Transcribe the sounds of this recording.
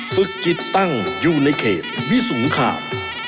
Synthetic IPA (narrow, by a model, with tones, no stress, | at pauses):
fɯ˨˩k̚t͡ɕi˨˩t̪ːa˥˩ŋjuː˨˩na˧jkʰeː˨˩t̪̚wi˦˥so˨˩˦ŋkʰa̰ː˧˩w